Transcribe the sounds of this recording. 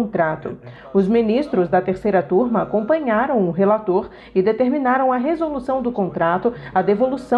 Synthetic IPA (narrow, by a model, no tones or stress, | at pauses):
t̪ɾat̪ʊ̰ | ʊzmĩnist̪ɾʊzd̪ɐt̪eɾsejɾɐt̪uɾmɐakõpɐ̃ɲaɾɐ̃w̃ʊɦelat̪oɾ | ɪd̪et̪eɾminaɾɐ̃w̃ɐɦezolusɐ̃w̃d̪ʊkõnt̪ɾat̪ʊɐd̪evolusɐ̃